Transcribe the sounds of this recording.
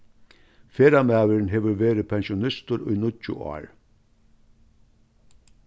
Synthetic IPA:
feːɾamæːʋəɾnɦɛːʋəɾʋeːɾɪpʰɛnʃʊnɪst̪ʊɾʊ̰jnʊt͡ʃʊ̰ʔɑ̰ːɹ

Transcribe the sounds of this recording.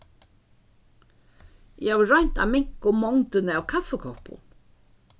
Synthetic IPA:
jɛhavʏrœɥɲ̥t̪a̰mɪŋ̥kʊmɔŋt̪ɪnɪawkʰafɛkʰɔhpʊ̰n

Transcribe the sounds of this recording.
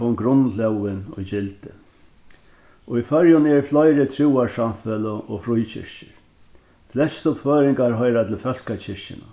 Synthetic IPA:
ɔnɡɾʊnːlɛwɪnɔ̰t͡ɕɪlt̪ɪ | ɔifœɾjʊnɛɹflɔjɾɪt̪ʰɾuːaɹsamfɛləʔɔfɾujt͡ɕʰɪ̰ɹ̥ʃɪ̰ɾ | flɛst̪ʊpføːɾɪŋkaɾɦɔjɾat̪ʰɪlfœl̥kat͡ɕʰɪɹʃɪ̰na̰

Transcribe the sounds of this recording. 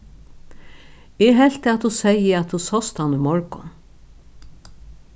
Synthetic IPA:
ɛɦɛl̥t̪ɪat̪husɛjəat̪husɔst̪hanʊmɔɹkʊn

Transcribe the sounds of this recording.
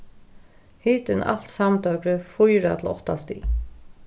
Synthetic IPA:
hiːt̪ɪnʔa̰l̥t̪samt̪œwkɾəfujɾat̪ʰl̩ɔ̰ht̪ast̪ḭ

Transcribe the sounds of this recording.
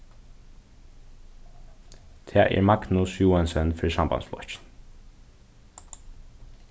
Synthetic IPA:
t̪ʰæːʔæ̰ːɹmɑɡnʊsjuːɛnsənfœːsɑmbɑ̰nsflɔ̰ççn

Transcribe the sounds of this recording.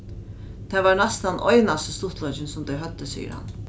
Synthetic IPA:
t̪ʰɛʋaɾnɛst̪anɔ̰jnasəst̪ʊht̪lɔjt͡ʃɪnsʊmd̪ɛjɦœt̪ːəsḭːjə̰ɾha̰n

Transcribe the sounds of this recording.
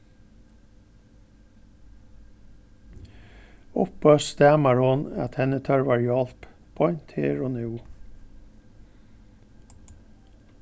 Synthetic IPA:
ʊ̰pœst̪ɛːmaɹhʊnæ̰t̪hɛnət̪ʰœɹʋaːɹjɔlp | b̥ʰɔʏnt̪heːɹoːnʉː

